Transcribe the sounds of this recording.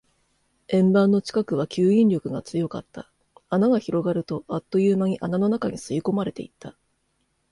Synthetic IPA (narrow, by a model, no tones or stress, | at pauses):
ẽ̞mbãnːo̞t͡ɕi̥kakɯ̟β̞akʲɨːĩnʲɾʲo̞kɯ̟ɡat͡sɨjo̞ka̰t̪ːa | anaɡaçiɾo̞ɡaɾɯ̟t̪o̞ʔat̪ːo̞jɯːmaɲ̟iʔanano̞nakaɲ̟isɨiko̞maɾe̞t̪e̞it̪ʰːa